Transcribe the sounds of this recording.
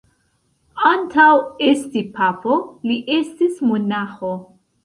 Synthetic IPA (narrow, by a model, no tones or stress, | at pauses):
antawestipapo̞liʔe̞stismonaxo